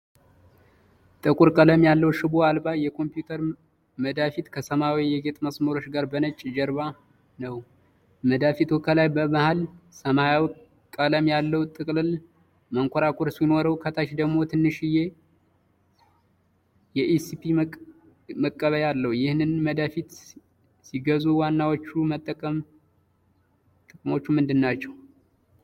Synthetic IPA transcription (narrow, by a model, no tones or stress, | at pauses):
t̪ʼɨkʼuɾkʼələmjalːəwʃɨboalbajɛkʰo̞mpjut̪ʰəɾ | məd̪afit̪kʰəsəmawijɛɡet̪ʼməsməɾo̞t͡ʃɡaɾbənət͡ʃʼːd͡ʒɛɾβa | nəw | məd̪afit̪wɔkʰəlajbəmahalsəmajaw | kʼːələmjalːəwt̪ʼɨkʼlɨl | məŋkʷʰɔɾakʰʷʼoɾsino̞ɾəwkʰət̪ʰat͡ʃd̪əɡmo̞t̪ʰɨnːɨʃɪje̞ | jɛʔisipʰi | məkʼːəβəjalːəwujɪhnɨnməd̪afit̪ | siɡəzuwanːawot͡ʃːumət̪ʼːəkʼəm | t̪ʼɨkʼɨmo̞t͡ʃːumɨnd̪ɨnːat͡ʃːɛw